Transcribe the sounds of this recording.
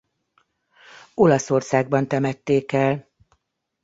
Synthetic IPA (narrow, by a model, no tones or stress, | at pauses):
o̞lɒso̞rsaːɡ̚bɒnt̪ɛmɛt̪ːeːkɛl